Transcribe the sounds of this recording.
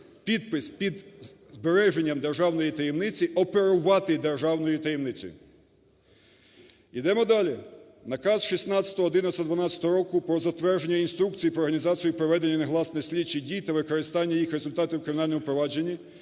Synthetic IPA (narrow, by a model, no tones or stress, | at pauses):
pʲid̪̚pɪspʲid̪zbeɾɛʒe̞nʲːɐmd̪e̞rʒɑwnɔjit̪ɐjemnɪt͡sʲiʔɔpeɾʊʋɑt̪ɪd̪erʒɑwnɔjʊt̪ɐjemnɪt͡sʲɔ̰jʊ̰ | id̪ɛmɔd̪ɑlʲi | nɐkɑsʃisʲnɑt͡sʲɐ̥t̪ɔɦɔːd̪ɪnɐsʲt̪ɐd̪ʋɐnɑt͡sʲɐt̪ɔɦɔɾɔkʊpɾɔzɐt̪ʋɛrʒenʲːɐinst̪ɾukt͡sʲijipɾɔɾɦɐnʲizɑt͡sʲijʊpɾɔʋɛd̪enʲːɐneɦlˠɑsnɛsʲlʲit͡ʃːidʲijt̪ɐʋɪkɔɾɪst̪ɑnʲːɐjixɾezʊlʲt̪ɑt̪ɪwkɾɪmʲɪnɑlʲnɔmɔpɾɔʋɑd͡ʒenʲːɐ